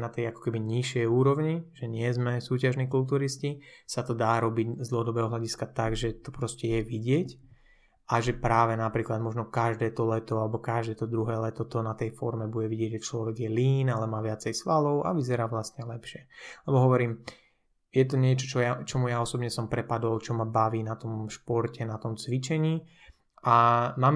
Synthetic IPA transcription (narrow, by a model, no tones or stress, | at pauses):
nat̪ɛjakɔ̥kɛbiɲiʃɪɛjuːɾɔʊɲiʒɛɲɪɛzmɛsuːcaʒniːkult̪̬uːɾiscisat̪ɔd̪aːɾɔbiɟzd̪l̩ˠɦɔd̪ɔbɛːɦɔɦlaɟiskat̪aɡʒɛt̪ɔpɾɔscɛjɛʋiɟɪɛc | ʔaʒɛpɾaːʋɛnapɾiːklad̪mɔʒnɔkaʒd̪ɛːt̪ɔlɛt̪ɔalɛbɔkaʒd̪ɛːt̪ɔd̪ɾuɦɛːlɛt̪ɔt̪ɔnat̪ɛjfɔɾmɛbuɟɛʋiɟɪɛɟʒɛt͡ʃlɔʋɛɡjɛliːnalɛmaːʋɪat͡sɛjsʋalɔʊʔa̰ʋizɛɾaːʋlast̪ɲɛlɛpʃɪɛlɛbɔɦɔʋɔɾiːm | jɛt̪ɔɲɪɛt͡ʃɔt͡ʃɔjat͡ʃɔmujaɔsɔbɲɛsɔmpɾɛpad̪ɔlt͡ʃɔmabaʋiːnat̪ɔmʃpɔɾcɛnat̪ɔmt͡sʋit͡ʃɛɲiː | ʔamaːm